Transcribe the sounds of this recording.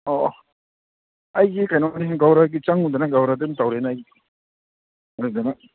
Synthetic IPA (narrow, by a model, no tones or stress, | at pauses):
ɔ | ajɡikajnamaniɦnɡawɾaɡit͡ʃaŋud̪anaɡawɾad̪ɯntawɾenaji | ad̪ana